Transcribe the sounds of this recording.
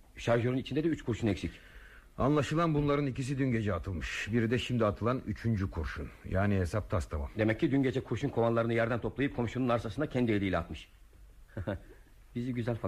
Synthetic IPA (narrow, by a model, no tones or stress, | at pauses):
ʃaɾʒoɾunit͡ʃʰind̪ɛd̪ɛyt͡ʃkʰuɾʃunɛcsicʲ | anlˠaʃɯlˠanbunlˠaɾɯnicis̬id̪ynɟe̞d͡ʒɛat̪ʰɯlˠmɯʃbiɾid̪ɛʃimd̪iat̪ʰɯlˠanyt͡ʃʰynd͡ʒykʰuɾʃṵnjaːniɦesap̚t̪ʰast̪ʰama̰md̪emɛcːid̪ynɟe̞d͡ʒɛkʰuɾʃunkʰo̞vanlˠaɾɯnɯjæɾd̪ænt̪ʰo̞plˠajɯp̚kʰo̞mʃununaɾsasɯnd̪acʰɛnd̪ieɾijlʲɛat̪mɯʃ | hhɛ | b̥iziɟyzælʲfa